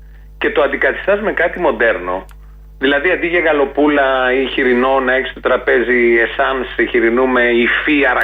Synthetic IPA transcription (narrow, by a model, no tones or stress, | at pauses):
ce̞t̪oɐnd̪ikɐt̪i̥st̪ɐzme̞kɐt̪imo̞d̪e̞ɾno̞ | ðilɐðiɐnd̪iʝeɣɐlo̞pulɐiçiɾino̞nɐeçist̪ot̪ɾɐpe̞ziesɐnsiçiɾinumeifiɐɾɐ